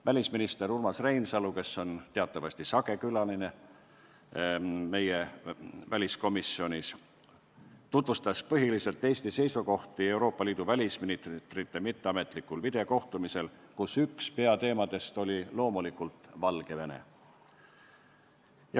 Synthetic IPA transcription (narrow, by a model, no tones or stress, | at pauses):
vælʲisminist̪e̞ɾurmɑsre̞jnsɑluke̞sːo̞nt̪e̞ɑt̪ːˑɑvɑsʲt̪isɑɡe̞kylɑline̞ | me̞jevælʲisko̞misːio̞nʲis | t̪ut̪vust̪ɑspɤɦilise̞lt̪ːˑe̞ːst̪ise̞jsuko̞ht̪ie̞uɾo̞ːpːˑɑliːd̪̥uvælʲisminit̪t̪rit̪ːe̞mit̪ˑːe̞ɑme̞t̪ˑlikːˑulvid̪̥e̞ko̞ht̪umise̞lkusykspe̞ɑt̪e̞ːmɑd̪̥e̞st̪o̞lʲilo̞ːmulikːˑult̪ˑvɑlɡ̥e̞venḛ | j